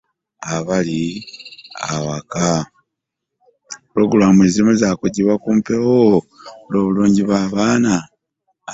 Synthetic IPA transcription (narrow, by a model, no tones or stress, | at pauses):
aβali | a̰waka | puɾo̞ɡuɾamue̞ːzimozaːkuɟiβakuːmpewo | lo̞ːβuluːɲɟiβwaːβaːna